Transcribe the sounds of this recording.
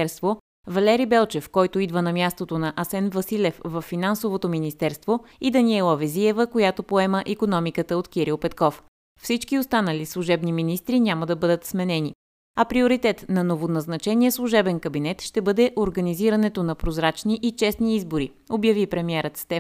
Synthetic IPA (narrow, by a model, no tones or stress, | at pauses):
ɾst̪vo | vɐlɛɾibɛlˠt͡ʃɛfkɔjt̪oid̪vənɐmʲjast̪ot̪onɐʔɐsɛnvɐsilʲɛfvɐfːinansovot̪ominist̪ɛɾst̪vo | id̪ɐnʲiɛlˠɔvɛziɛvəkojat̪opoɛməʔikonɔmikət̪əot̪k̟iɾilˠpɛt̪kɔf | fsit͡ʃkiost̪anəlislˠuʒɛbniminist̪ɾinʲaməd̪ɐbɤd̪ət̪smɛnɛni | ɐpɾioɾit̪ɛt̪nɐnovonɐznɐt͡ʃɛniɛslˠuʒɛbɛnkɐbinɛt̪ʃt̪ɛbɤd̪ɛʔoɾɡɐniziɾənɛt̪onɐpɾozɾat͡ʃniʔit͡ʃɛsniizboɾi | objɐvipɾɛmiɛɾət̪st̪ɛ